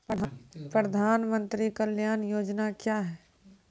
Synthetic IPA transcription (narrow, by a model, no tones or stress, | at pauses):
ppɾəd̪ʱaːnmə̃nt̪ɾikəljaːnjoːd͡ʒnakjaːɦɛː